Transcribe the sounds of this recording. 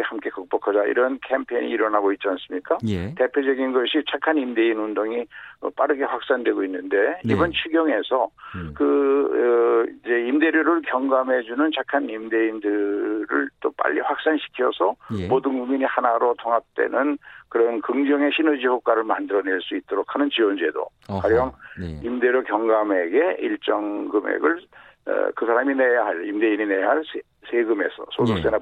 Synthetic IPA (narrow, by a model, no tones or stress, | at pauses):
hamk͈e̞kʌk̚p͈ʌkʰad͡ʑaḭɾʌnkʰe̞mpʰḛɲḭːɾʌnɦaɡoit̚t͡ɕians͈ɯmɲik͈ate̞pʰjod͡ʑʌɡinɡʌɕʰit͡ɕʰakʰanimde̞inundoŋiʌ̰p͈aɾɯɡe̞ɸwak̚s͈andwe̞ɡoinːɯnde̞ibʌnt͡ɕʰuɡjʌŋe̞sʰʌkɯ | id͡ʑe̞imde̞ɾjoɾɯɭkjʌŋɡamɦe̞d͡ʑunɯnt͡ɕʰakʰanimde̞indɯɾɯ̰ɭt͈op͈a̰ʎːḭɸwak̚s͈anɕʰi̥kʰijʌsʰʌmodɯnɡumiɲihanaɾotʰoŋɦap̚t͈we̞̰nɯnkɯɾʌnkɯŋd͡ʑʌŋe̞ɕʰinod͡ʑiɸok͈aɾɯɭmandɯɾʌne̞ɭs͈uit̚t͈ʌɾokʰanɯnt͡ɕiwʌnd͡ʑe̞do̰kaɾiʌŋimde̞ɾjokjʌŋɡame̞ɡe̞iɭt͡ɕ͈ʌŋɡɯme̞̰ɡɯɭ̰ | kɯsʰaɾaminejaɦaɾimde̞inineɦaɭsʰ | sʰeɡɯme̞̰sʰʌ̰sʰodok̚s͈ena